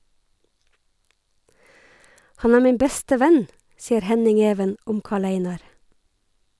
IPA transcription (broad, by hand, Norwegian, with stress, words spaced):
ˈhɑn ˈæːɹ ˈmiːm ˈbɛstə ˈʋæn ˈsiːəɾ ˈhɛnɪŋ ˈeːʋən ˈʔʊm ˈkɑːˌɭeɪnɑɾ